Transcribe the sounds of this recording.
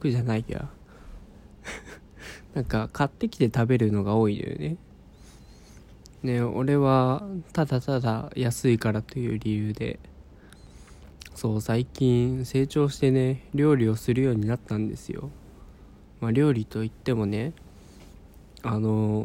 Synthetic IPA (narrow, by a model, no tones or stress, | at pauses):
kɯ̟ʑanaika̰ | nãŋkakat̪ːe̞kʲi̥t̪e̞t̪abe̞ɾɯ̟no̞ɡao̞ːid̪ḛjo̰ne̞ | ne̞o̞̰ɾe̞βat̪ad̪at̪ad̪ajasɨikaɾat̪o̞jɯ̟ːɾʲijɯ̟ːd̪e̞̰ | so̞ːsaikʲĩɰse̞ːt͡ɕo̞ːɕi̥t̪e̞ne̞ɾʲo̞ːɾʲio̞sɨɾɯ̟jo̞ːɲ̟inat̪ːãnd̪e̞̰sɨ̰jo̞̰ | maɾʲo̞ːɾʲit̪o̞it̪ːe̞mo̞ne̞ | ano̞